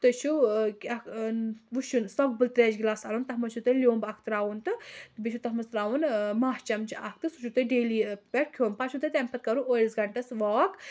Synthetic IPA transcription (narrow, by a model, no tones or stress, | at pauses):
t̪ɨt͡ʃʰukʲɐkʰʋuʃunsɐk̚bɨlt̪ɾɛːd͡ʒɡilaːsɐlunt̪ɐɦmɐt͡ʃʰut̪ɨlʲjoːmbɐk̚ʰt̪ɨɾaːʋunt̪ɨt̪bit͡ʃʰut̪ɐɦmɐst̪ɾaːʋunmaːɦt͡ʃɐmt͡ʃiɐk̚ʰt̪ɨsut͡ʃʰut̪ɨɖeːliːpʲɛʈ̚kʲʰjoːnpat͡ʃʰut̪ɨt̪ʲɛmpɐt̪̚kɐɾuolsɡɐɳʈɐsʋaːk